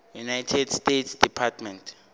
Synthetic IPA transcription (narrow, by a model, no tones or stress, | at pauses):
junajtʰɛdstetsd̥ipʰatʰmɛntʰ